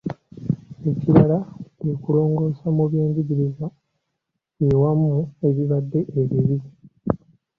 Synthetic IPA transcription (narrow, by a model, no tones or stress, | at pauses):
e̞ciɾalaekulo̞ːŋɡo̞ːsamuβje̞ːɲɟiɟiɾiza | jewamːue̞βiβad̪ːe̞ʔːβeβi